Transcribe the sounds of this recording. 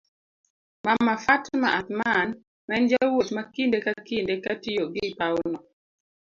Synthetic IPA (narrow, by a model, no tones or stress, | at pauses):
mamːafatmaʔat̪man | mɛnd͡ʒawot͡ʃmakindekakindekatijoɡɪpawnɔ